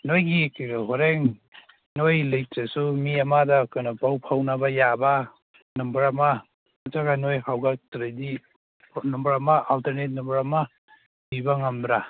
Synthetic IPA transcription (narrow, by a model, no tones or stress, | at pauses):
nojɡikɦoɾeŋ | nojlɐjtasumiɐmadakojnapawpʰawnabajaba | numbɐɾama | ataɡanojhawɡatɾajdi | numbɐɾamaʔalteɾnet̚numbɐɾama | bibaŋamdɾa